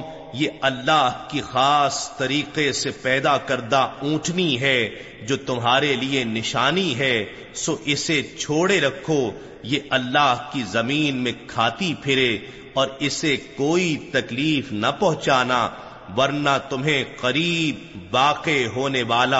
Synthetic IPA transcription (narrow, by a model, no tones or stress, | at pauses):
jeɐlːaɦkixaːst̪ɐɾiːqesepɛːd̪akɐɾd̪aũːʈʰniɦɛ | d͡ʒoːt̪ʊmɦaːɾelienɪʃaːniɦɛ | soːʔɪset͡ʃʰoːɽeɾɐkʰːo | jeʔɐlːaːɦkizɐmiːnmẽkʰaːt̪ipʰɪɾe | ɔːɾɪsekoːit̪ɐkliːfnɐpɐɦʊ̃t͡ʃaːna | ʋɐɾnat̪ʊmɦẽqɐɾiːb̚ | ʋaːqeɦoːneʋaːla